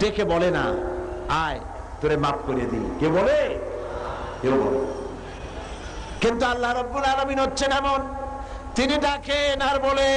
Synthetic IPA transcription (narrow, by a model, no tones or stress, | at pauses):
ɖekʰebɔlena̰aj | t̪oɾemap̚koɾijed̪ḭkebole | keobɔ̰le | kint̪ualːaɾɔbːuɾaɾominɦotːɕʰenɛmon | t̪iniɖakʰenaɾbole